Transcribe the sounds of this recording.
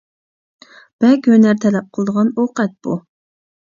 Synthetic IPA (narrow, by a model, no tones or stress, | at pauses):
b̥ɛkʲønæɾt̪ʰɛlɛp̚qʰəlˠəd̪əʁɑnoqɛt̪̚b̥u